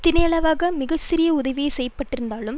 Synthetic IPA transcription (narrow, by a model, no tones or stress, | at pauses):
t̪ɪnɐjɐɭɐʋaːɣɐmɪɣɐsɪɾɪjɐʊðɐʋɪjesɛjːɐpːɐʈːɪɾɯnd̪aːlɯm